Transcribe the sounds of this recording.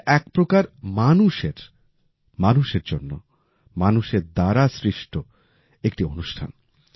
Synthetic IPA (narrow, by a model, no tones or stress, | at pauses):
ɛk̚pɾokaɾmanuʃeɾ | manuʃeɾd͡ʑonːo̰ | manuʃeɾd̪aɾasɾiʃʈʰo | ek̚ʈionuʃʈʰa̰n